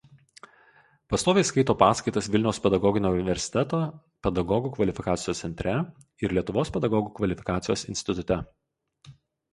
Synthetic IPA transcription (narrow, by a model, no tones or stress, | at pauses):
pɐst̪oːʋʲeɪskɐɪt̪oːpɑːskɐɪt̪ɐsʋʲɪlʲnʲɛʊspʲɛd̪ɐɡɔɡʲɪnʲoːʊnʲɪʋʲɛɾʲsʲɪ̥t̪ʲɛt̪oː | pʲɛd̪ɐɡɔɡuːkʋɐlʲɪfʲɪkɑːt̪sʲɪjoːsʲɛnʲt̪ʲɾʲɛ | ɪɾlʲiɛt̪ʊʋoːspʲɛd̪ɐɡɔɡuːkʋɐlʲɪfʲɪ̥kɑːt̪sʲɪjoːsɪ̰nʲsʲt̪ʲɪt̪ʊt̪ʲɛ